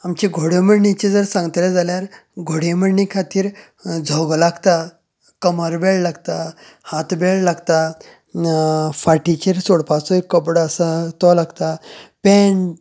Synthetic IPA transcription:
amt͡ɕiɡʱoɽjeməɽɳit͡ɕed͡zəɾsãŋɡt̪lɛd͡zaljaɾɡʱoɽeməɽnikʰat̪iːɾ | d͡zʱɔɡlaɡt̪a | kəməɾbeɭlaɡt̪a | hat̪beɭlaɡt̪a | faʈit͡ɕeɾsoɽpat͡sɔekːəpɽəsat̪ɔlaɡt̪apɛɳ

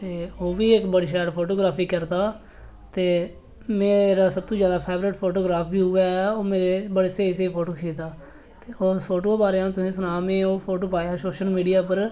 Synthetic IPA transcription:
t̪eːoːʋiːɪkbəɽiʃɛːʈpʰoːʈoːɡɾaːpʰiːkəɾd̪aː | t̪eː | meːɾaːsəb̚t̪õːzjaːd̪aːpʰeːʋɾɪʈpʰoːʈoːɡɾaːpʰbiːɦʊaːɛoːmeːɾeːbəɽeːseːseiːpʰoːʈoːkʰeːt̪aː | t̪eːoːspʰoːʈoːbaːɾeãːt̪ʊsĩːsənaːmẽːoːpʰoːʈoːpaːjaːsoːʃəlmiːɖijaːpəɾ

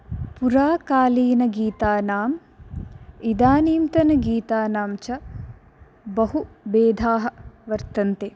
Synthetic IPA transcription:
puɾaːkaːliːnɐɡiːt̪aːnaːm | id̪aːniːmt̪ɐnɐɡiːt̪aːnaːmt͡ʃɐ | bɐɦubeːd̪ʱaːɦɐ̆ʋɐɾt̪ɐnt̪eː

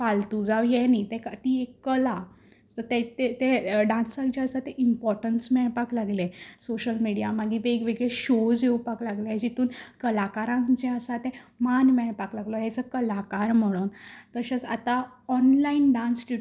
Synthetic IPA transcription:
palt̪ud͡zawjɛnit̪ekt̪iekːəla | sət̪et̪et̪eɖãnsãŋd͡ʑɛəsat̪ɛʔimpɔɾʈənsmɛɭpaklaɡlesoɕəlmiɽijamaɡiʋeɡʋeɡɭeɕod͡zeupaklaɡlead͡ʑit̪uːnkəlakaɾãŋd͡ʑɛəsat̪ẽmanmɛɭpaklaɡlɔjɛt͡səkəlakaɾm̤əɭ̃oːnt̪əɕat͡sat̪a | ɔnlainɖãnsd͡ʑi

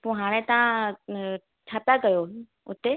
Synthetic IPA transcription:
puɦaːɽ̃ẽt̪ɐã | t͡ʃʰaːpjakɐjo | ʊt̪e

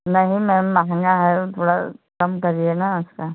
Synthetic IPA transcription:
nɐɦĩmɛ̃maɦə̃ŋɡaɦɛt̪ʰoːɽa̰kɐmkɐɾienaʊskaː

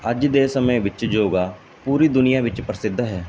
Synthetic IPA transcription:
əd͡ʒd̪eːsəmə̃ʋɪt͡ʃd͡ʒoːɡaː | puːɾiːd̪ʊnijaːʋɪt͡ʃpɾəsɪd̪ɦɛː

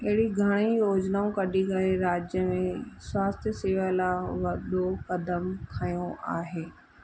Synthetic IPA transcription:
ɐɦɪɽiɡʱɐɽ̃ijoːd͡ʑnaːũkɐɗikɐɾeɾaːd͡ʑjəmẽswaːst̪ʰjəsɪʋəlaʋɐɗokɐd̪əmkʰaːjõʔa̰ːɦeː

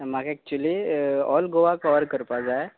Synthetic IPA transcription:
makaek̚t͡ɕuəliɔlɡoʋakɔʋəɾkəɾpad͡zaj

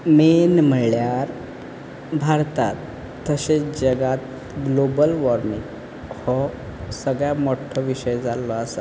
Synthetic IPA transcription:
menm̤əɭjaaɾ | bʱaɾt̪at̪ː | əsed͡ʑəɡat̪ | ɡlobəlʋɔɾmiŋ | hɔ | səɡɭjamoʈʰɔʋiɕəjd͡zalɔəsa

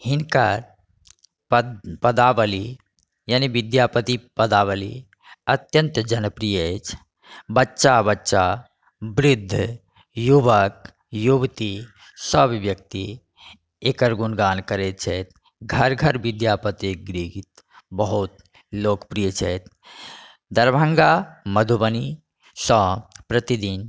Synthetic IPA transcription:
hinkaɾ | ppəd̪aːbəli | jaːniʋid̪japət̪ipəd̪aʋəlḭ | ət̪jə̃nt̪əd͡ʒənəpɾijət͡ʃʰ | bətːʃabətːʃa | bɾɪd̪ʱː | jubək | jubt̪i | səbʋjək̚t̪i | ekəɾɡunɡaːnkəɾet̪t͡ʃʰɛt̪ | ɡʱəɾɡʱəɾʋid̪jaːpət̪eɡɾiɡt̪ | bəɦut̪ | loːkpɾijət͡ʃʰɛt̪ | d̪əɾbʱə̃ŋɡaməd̪ʱubəni | sɔ̃pɾət̪id̪in

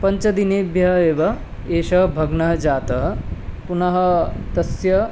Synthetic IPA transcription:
pɐɲt͡ʃɐd̪ineːbjɐɦɐeːʋɐ | eːʃɐɦɐbʱɐɡnɐɦɐd͡ʒaːt̪ɐɦɐpunɐɦɐ̆t̪ɐsjɐ

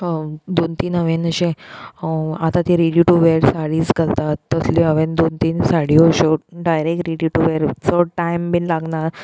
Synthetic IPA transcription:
d̪ont̪inəʋẽnəɕẽ | at̪ãt̪iɾiɽiʈuʋeɾsaɽiːsɡʱəlt̪at̪ːəsliəʋend̪ont̪insaɽiːɦoɕoɖajɾek̚ʈɾiɽiʈuʋeɾt͡səʈajmbinlaɡnaɾ

